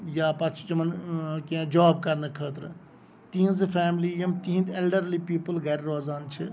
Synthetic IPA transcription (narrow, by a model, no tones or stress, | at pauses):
jaːpɐt͡ʃʰt͡ʃɐmɐnkẽd͡ʒaːb̚kɐɾnəkʰəːt̪ɾ | t̪ĩːnzɨpʰɛːmliːjɐmt̪iːnt̪elɖəɾlipiːpəlɡɐɾʲɾoːzaːnt͡ʃʰi